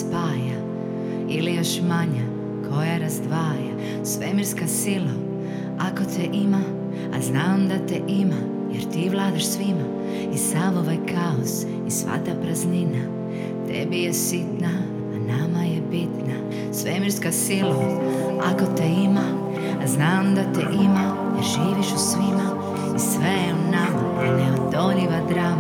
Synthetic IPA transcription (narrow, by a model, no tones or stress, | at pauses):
spaːja | ilijoʃmaɲa | kʰo̞jaɾazd̪ʋaːja | sʋemiɾskasilo | akot̪ʰeʔima̰ː | znaːmd̪at̪eʔima | jeɾt̪iːʋlaːd̪aʃsʋima | isamoʋajkʰaos | isʋa̰t̪apɾaznina | t̪ḛbijɛsit̪naː | namajɛbit̪na | sʋemiɾskasilo | akot̪ɛimaː | znaːmd̪at̪ɛʔima | jɛɾʒiːʋiʃusʋima | isʋeunama | nɛod̪oniʋad̪ɾaːm